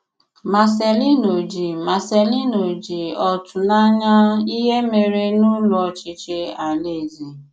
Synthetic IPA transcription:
ma˨se˨li˦no˨d͡ʒi˨ma˨se˨li˦no˨d͡ʒi˨ɔ˨tʊ˨na˦ɲa˦i˦ɦe˦me˨ɾe˦nʊ˦lʊ˦ɔ˧˨t͡ʃɪ˨t͡ʃe˧a˨le˦˨zi˨

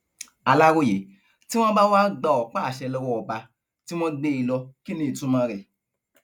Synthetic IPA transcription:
a˧la˦ɾo˦˨je˨˦ | ti˦w̃ɔ̃˦ba˦wa˦ɡ͡ba˧ɔ˨k͡pa˦a˨ʃɛ˧lɔ˧wɔ˧ɔ˨ba˧ | ti˦w̃ɔ̃˦de˧i˧lɔ˧ki˦nĩ˧˦i˨tũ˦mã˧ɾɛ˨

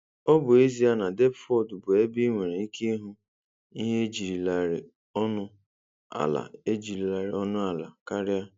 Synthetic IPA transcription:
ɔ˦bʊ˨e˦zi˦a˦na˨de˦pfɔ˦˨dbʊ˨e˦bi˦ŋʷe˨ɾe˨i˦kʰe˦ɦʊ˦ | i˦ɦe˦d͡ʒi˨ɾi˨la˨ɾɪ̰˨ | ɔ˦nʊ˦ | a̰˨la̰˨e˦d͡ʒi˨ɾi˨la˨ɾɪ̰˨ɔ˦nʊ˦a˨la̰˨ka˦ɾɪ˦a˦

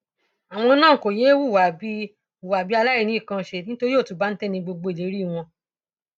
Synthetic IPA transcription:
a˨w̃ɔ̃˧nãː˦˨ko˨je˨˦wu˦˨wa˨bi˦ | u˨wa˨bi˦a˧la˦i˦˨ñĩ˨˦i˦˨kã˧ʃe˧˨nĩ˦to˦ɾi˦o˦˨tu˨˦ba˦n̩˦tɛ˦nĩ˧ɡ͡bo˧ɡ͡bo˧i˨le˨˦ɾi˦˨w̃ɔ̃˧

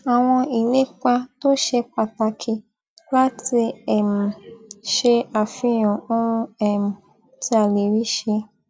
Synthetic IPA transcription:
a˨w̃ɔ̃˧i˨le˨˦k͡pa˧to˦ʃe˧k͡pa˧ta˧kʰi˧ | la˦ti˧ɛ˨m̩˨ʃe˧a˨fĩ˧˦j̃ɔ̃˨o˦ɾũ˧ɛ˦˨m̩˨ | ti˧˦a˨le˨ɾi˦ʃe˧

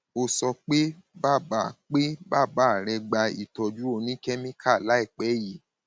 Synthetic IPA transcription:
o˧sɔ˧k͡pe˦ba˦˨ba˨k͡pe˦ba˦˨ba˦˨ɾɛ˧ɡ͡ba˧ḭ˨tɔ˨d͡ʒu˦o˧nĩ˦kɛ˦mĩ˦kʰa˦˨la˨˦i˦˨k͡pɛ˨˦ji˨˦

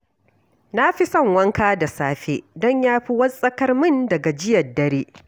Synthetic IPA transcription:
na˦ɸi˦sɐ˦˨ŋwɐ˦ŋkaː˦da˨saː˦ɸeː˦dɔ˦ɲjaː˦ɸi˦wɐ˦sʼɐ˦kɐ˦rmɪ˦ndɐ˨ɡa˨d͡ʒɪ˦jɐ˨rdɐ˦ɾeː˦ʔ

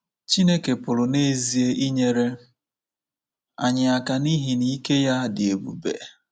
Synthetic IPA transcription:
t͡ʃi˦ne˦ke˨pʊ˨ɾʊ˨ne˦zi˨e˦ʔi˦ɲe˦ɾe˦ | a̰˨ɲɪ˨a˨ka˨ni˦ɦi˨ni˦ke˦ja˦˨dɪ˨e˨bṵ˦bḛ˨

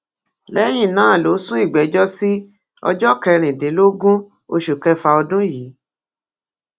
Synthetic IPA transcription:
lɛ˦j̃ĩ˦˨nãː˨˦˨lo˨˦sũ˦i˦˨ɡ͡bɛ˨˦d͡ʒɔ˦si˦ | ɔ̰˧d͡ʒɔ˦kɛ˧ɾ̃ĩ˨dĩ˨˦lo˦ɡũ˦ | o˧ʃu˨kɛ˧fa˧ɔ˧dũ˦ji˨˦

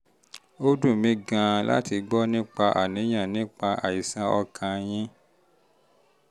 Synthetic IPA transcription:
o˦dũ˦˨mĩ˨˦ɡã˧la̰˦ti˧ɡ͡bɔ˦nĩ˦k͡pa˧ʔa̰˨nĩ˨˦j̃ã˦˨nĩ˦k͡pa˧ʔa˨i˨sã˧˦ɔ˧kʰã˧j̃ĩ˦

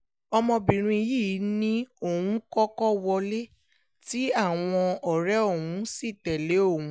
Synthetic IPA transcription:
ɔ˧mɔ̃˧bĩ˨ɾ̃ũ˧i˧ji˦˨˦nĩ˦o˦˨wũ˨˦kɔ˦kɔ˦wɔ˧le˦ | ti˦a˦˨w̃ɔ̃˧ɔ˨ɾɛ˦o˦˨wũ˨˦si˦˨tɛ˨le˨˦o˦˨wũ˨˦

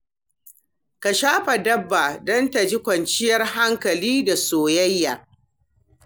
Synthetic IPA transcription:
ka˨ʃaː˦ɸa˨dɐ˦bːaː˨dɐ˦nta˨d͡ʒɪ˦kʷɐ˨nt͡ʃɪ˦jɐ˦rɦa˦ŋkɐ˨liː˦da˨soː˨jɐ˦jːaː˨

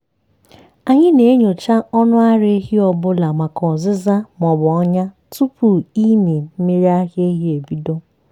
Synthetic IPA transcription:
a˨ɲɪ˦ne˨e˦ɲo˨t͡ʃa˦ʔɔ˦nʊ˦a˦ɾɪ˦ɦi˦ɔ˨bʊ˦la˨ma˨kɔ˨zɪ˦za˦mɔ˨bɔ˨ɔ˦ɲa˦ | tu˦pu˨i˦me˨m̩˦me˦ɾi˦a˦ɦje˦ɦi˦e˨bi˦do˦

